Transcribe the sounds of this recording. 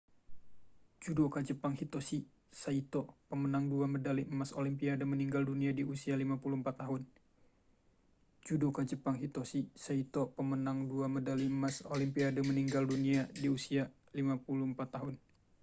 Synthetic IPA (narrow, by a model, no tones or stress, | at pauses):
d͡ʒudokad͡ʒəpaŋhit̪osi | sait̪ɔpəmənaŋduamədalimasolimpiadəməniŋɡalduniadiusialimapuluhmpat̪ːaɦʊn | d͡ʒudokad͡ʒəpaŋɦit̪osisait̪opəmənaŋduamədaliəmasolimpiadəməniŋɡalduniadiusia | limapuluəmpat̪ːaɦʊn